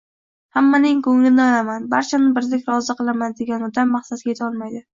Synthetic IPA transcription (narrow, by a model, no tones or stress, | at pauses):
hamːanɪŋkʰɵŋlɪnɪalamanbaɾt͡ʃʰanɪbɪɾlɪkʲɾɒzɨqɨlˠamand̪e̞ɡʲanɒd̪amːaχsat̪̚kʲajt̪ʰɒlˠmajd̪ɪ